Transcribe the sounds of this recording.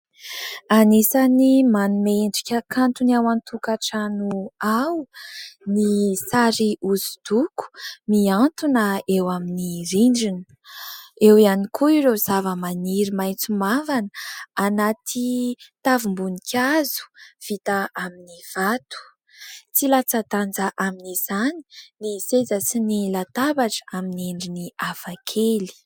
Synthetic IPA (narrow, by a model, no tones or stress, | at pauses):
anisanimanumeɳɖ͡ʐi̥kʲəkʰant̪uniawant̪ʰukaʈ͡ʂanuawnisaɾiuzi̥d̪̥uku̥miant̪unaewaminiɾiɳɖ͡ʐinə̥ | ewianikʰuiɾezavəmaniɾimajt͡sumavanəanat̪ʰit̪avumbunikʲʰazu̥v̥it̪aʔaminiv̥at̪u̥ | t͡silat͡sat̪and͡zaʔaminizani̥nisezəsinilat̪abaʈ͡ʂə̥aminieɳɖ͡ʐiniafakʰeli̥